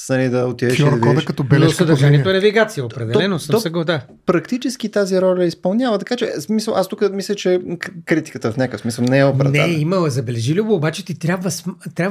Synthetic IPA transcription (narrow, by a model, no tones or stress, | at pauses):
nɐlid̪ɐot̪ivɛʃɔɾvɔd̪ʃkɐɔbɛɛoʃk̪ɐd̪ɐɾʒaniɛoɛnɐviɡat̪sijəot̪pɾɛd̪ɛlɛnosəmɔsɛɡod̪a | pɾɐkt̪it͡ʃɛsk̟it̪aziɾɔlʲəispɐlˠnʲjavət̪ɐkat͡ʃɛsmisəlˠʔast̪ukəmislʲət͡ʃɛkɾit̪i̥kət̪əfnʲakəsmisəlˠnɛɛopɾɛnɛimɐlˠɐzɐbɛlɛʒilʲuboobat͡ʃɛt̪it̪ɾʲjabvəst̪ɾʲjabv